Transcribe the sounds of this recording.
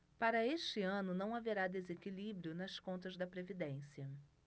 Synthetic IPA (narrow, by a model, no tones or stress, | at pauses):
paɾɐeʃt͡ʃɪɐ̃nʊnɐ̃w̃aveɾad̪ezekilibɾiʊnɐskõnt̪ɐzd̪ɐpɾevid̪ẽsiɐ